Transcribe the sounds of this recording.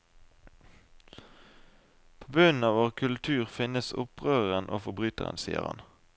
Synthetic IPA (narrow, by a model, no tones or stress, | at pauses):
pʰoːbʉnn̩ɑːʋoːʁkʰʉlt̪ʰʉːʁfɪnəsʊpʁøːəʁənʔo̰ːfɔbʁyːt̪ə̰ʁə̰nsḭːə̰ʁhɑ̰n